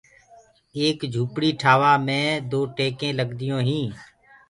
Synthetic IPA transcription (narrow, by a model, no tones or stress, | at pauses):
eːkd͡ʒʱuːpɽiːʈʰaːʋaːmẽːd̪oːʈeːkẽːləɡd̪ɪjõːɦĩː